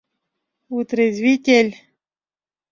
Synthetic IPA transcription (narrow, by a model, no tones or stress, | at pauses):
ut̪ɾezwit̪ʲelʲ